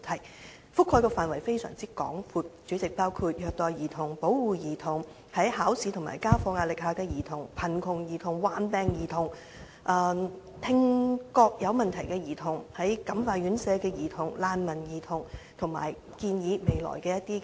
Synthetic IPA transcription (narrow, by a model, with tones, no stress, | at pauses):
t̪ʰɐ˨˩j | fʊ˥kʰːɔː˧jkɔː˧faː˨nwɐ˨˩jfe˥jsœ̰˨˩ŋt͡siː˥kɔ̰ː˨˥ŋfuː˧t̚t͡ʃy˨˥t͡sɪ˨k̚paː˥wkʰuː˧t̚jœː˧k̚t̪ɔː˨˧jjiː˨˩t̪ʰʊ˨˩ŋpo˨˥wwuː˨˧jiː˨˩t̪ʰʊ˨˩ŋ | hɐ˨˥jhaː˨˥wsi˨˧t̪ʰʊ˨˩ma̰ː˨˩jkaː˥fɔː˧ŋaː˧t̚lɪ˨k̚haː˧kɛː˧jiː˨˩t̪ʰʊ˨˩ŋpʰɐ˨˩nkʰʊ˨˩ŋjiː˨˩t̪ʰʊ˨˩ŋwaː˨npɛː˧ŋjiː˨˩t̪ʰʊ˨˩ŋ | ʔɐː˧ | t̪ʰɪ˧ŋkɔː˧k̚jɐ˨˧wmɐ˨nt̪ʰɐ˨˩jkɛː˧jiː˨˩t̪ʰʊ˨˩ŋhɐ˨˥jkɐ˨˥mfaː˧t̚ɥyː˨˥nsɛː˨˧kɛː˧jiː˨˩t̪ʰʊ˨˩ŋlaː˧nmɐ˨˩njiː˨˩t̪ʰʊ˨˩ŋt̪ʰʊ˨˩ŋma̰ː˨˩j | kiː˧njiː˨˧˥me˨˧jlɔ̰ː˨˩jkɛː˧jɐ˥t̚t̪iː˥